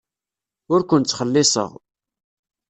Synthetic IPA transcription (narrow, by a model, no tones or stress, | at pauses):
ʊɾkʷʊnt͡sːχəlːɪsˤə̰ʁ